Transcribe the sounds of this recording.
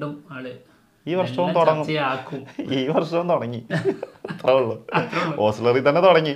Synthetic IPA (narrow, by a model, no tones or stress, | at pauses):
ɖumaɭe | iːʋɐrʂɐʋɐt̪oɽɐŋːuiaːkːumiːʋɐrʂɐʋɐnt̪oɽɐŋːi | t̪rɐʋuɭːoʔoːslɐrit̪ɐnːet̪oɽɐŋːi